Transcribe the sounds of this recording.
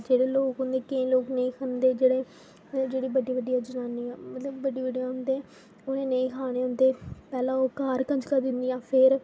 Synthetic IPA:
d͡ʒeːɽeːloːkɦʊ̃nd̪eːkeĩːloːknəĩːkʰənd̪eːd͡ʒeːɽeː | d͡ʒeːɽiːbəɖiːʋəɖːijãːd͡ʒənaːniːãːmət̪ləbːəɖiːʋəɖijãːɦʊnd̪eː | ʊnẽːnəĩːkʰaːɽ̃eːʊ̃nd̪eːpɛːlãːoːkaːɾkə̃ɲd͡ʒkəɾd̪ɪnd̪ijãːpʰɪɾ

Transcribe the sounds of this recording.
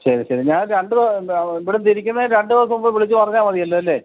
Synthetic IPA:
ɕɐɾiɕɐɾiɲaːnɾeɳɖɨðoiʋiɽet̪iɾikʲːunːɐɾe̞ɳɖɨðoːsɐumboʋiɭit͡ɕːɨpɐrɐɲːaːnʋɐðijɐlːɐɐlːeː

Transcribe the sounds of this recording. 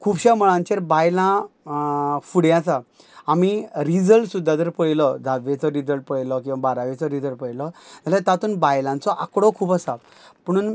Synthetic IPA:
kʰuːbɕaməɭãɲt͡ɕeɾbajlã | fuɽjãt͡sa | amiɾid͡zəlʈsud̪ʱːat̪əɾpəjlɔd͡zʱaet͡sɔɾid͡zəlʈ̚pəjlɔkĩw̃ʋabaɾaʋet͡sɔɾid͡zəlɾpəjlɔd͡zalat̪at̪uːnbajlãnt͡sɔʔakɽɔkʰuːpəsa | pəɽ̃uːn

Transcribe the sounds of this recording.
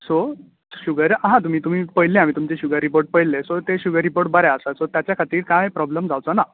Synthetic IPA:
so | ɕuɡəɾaɦãt̪um̤iːt̪um̤iːpəjlẽamiːt̪umt͡seɕuɡəɾːipoɾʈ̚pəjlːesot̪eɕuɡəɾːipoɾʈbəɾɛəsasot̪jat͡ɕjakʰat̪iːɾkajpɾɔbləmd͡zawt͡sana

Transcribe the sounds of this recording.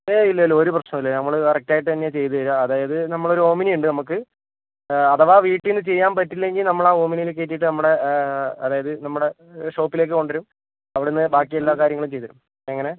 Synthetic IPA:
eilːɐlːoɾuprɐɕnɐmilːenɐmːɐɭkɐrɐk̚taːjiʈːɨt̪ɐnːet͡ɕe̞jt̪ːuʋɐɾaɐðaːjɐðɨnɐmːɐɭo̞ɾuo̞ːminiuɳɖɨnɐmuk̬ːɨ | ɐðɐʋaːʋiːʈːijenːɨt͡ɕe̞jːaːnpɐtːilːe̞ŋɡilnɐmːɐɭaːo̞ːminijilek̬ːe̞ːt̬ːijʈ̬ːɨnɐmːuɽe̞ɐðaːjɐðɨnɐmːuɽe̞ | ʂo̞ːpːile̞ːk̬ːɨko̞ɳɖɐɾum | ɐʋiɽenːɨbaːkːijelːaːkaːɾjɐŋːɐɭumt͡ɕejt̪ɐɾṵm | eŋːɐne̞

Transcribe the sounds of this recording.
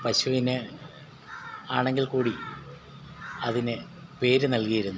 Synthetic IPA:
pɐɕuʋinɨ | aːɳeŋɡilkuːɽi | ɐðinɨ | pe̞ːɾɨnɐlkɐjiɾunːu

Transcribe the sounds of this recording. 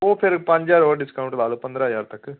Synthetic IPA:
oːfeːɾkpɐɲd͡ʒaːɾoːɖɪskɐwɳʈlaːlɯpːɐnd̪ɾaːjaːɾt̪ɐkːɯ

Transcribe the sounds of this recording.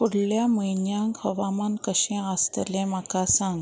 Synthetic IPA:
kuɽljaməjnjãŋkhəʋamankəɕẽast̪əlẽməkasãŋɡ

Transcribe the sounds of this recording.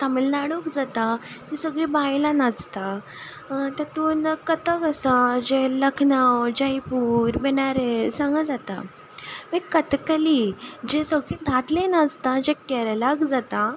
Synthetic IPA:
t̪amelnaɽokd͡zat̪at̪isəɡɭiːbajlanad͡zt̪a | t̪at̪uːnkət̪əkasad͡ʑeləkʰnawd͡ʑəjpuːɾbɛnaɾesãŋɡəd͡zat̪a̰ | məkːət̪kəlid͡ʑesəɡɭiːd̪ʱat̪lẽnad͡zt̪ad͡ʑekɛɾlaɡd͡zat̪a

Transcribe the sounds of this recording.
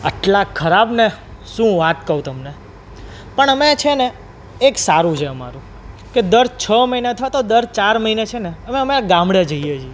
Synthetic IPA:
ə̰ʈlakʰəɾabneʃũʋat̪kəũt̪əmne | pəɳəmet͡ʃʰeneː | ksaɾũt͡ʃʰeəma̰ɾũ | ked̪əɾt͡ʃʰəməɦinet̪ʰat̪od̪əɾt͡ʃaɾməɦinet͡ʃʰeneəmeəmeaɡãmbɽed͡ʒəɦiet͡ʃʰie

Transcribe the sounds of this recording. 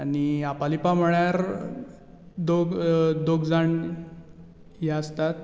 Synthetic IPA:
aniapalipam̤əɭjaɾ | d̪oɡd̪oɡd͡zaɳ | jaəst̪at̪̚

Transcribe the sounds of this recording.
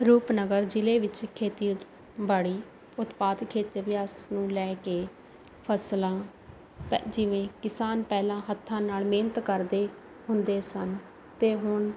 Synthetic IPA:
ɾuːpnəɡəɾd͡ʒɪleːʋɪt͡ʃkʰeːt̪iː | baːɽiː | ʊt̪paːd̪kʰeːt̪ʋɪjaːsnũːlɛːkeː | pʰəslãː | d͡ʒɪʋẽːkɪsaːnpɛːlãːɦət̪ʰːãːnaːlmeːnət̪kəɾd̪eː | ɦʊnd̪eːsən | t̪eːɦʊɳ

